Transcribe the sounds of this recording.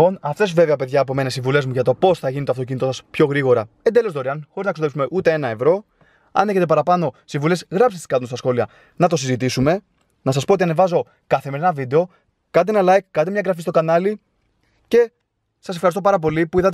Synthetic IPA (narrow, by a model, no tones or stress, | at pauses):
o̞nɐft̪e̞sve̞veɐpe̞ðʝɐːpome̞nesiɱvule̞zmuʝɐt̪o̞po̞sθɐʝinit̪oɐft̪o̞cinit̪o̞sɐspço̞ɣɾiɣo̞ɾɐend̪elo̞zd̪o̞ɾiɐnxoɾiznɐksoðesume̞ʔut̪e̞enɐevɾo̞ | ɐ̰neçe̞t̪̬epɐɾɐpɐno̞siɱvule̞sɣɾɐpsest̪i̥skɐt̪unst̪ɐsxo̞liɐ | nɐt̪o̞sizit̪isume̞ | nɐsɐspoot̪iɐnevɐzo̞ | kɐθe̞me̞ɾinɐvid̪e̞o̞ | kɐt̪ienɐlɐjkːɐt̪t̪imɲɐɡɾɐfist̪o̞kɐnɐli | ce̞ | sɐse̞fxɐɾist̪opɐɾɐp̬o̞lipuiðɐt̪